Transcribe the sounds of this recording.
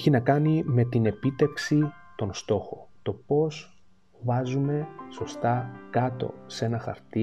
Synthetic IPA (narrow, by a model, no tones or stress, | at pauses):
çinɐkɐnime̞t̪ine̞pit̪e̞fksi | t̪o̞nst̪o̞xo̞̰t̪o̞po̞s | vɐzume̞so̞st̪ɐkɐt̪o̞̰se̞nɐxɐ̰ɾt̪i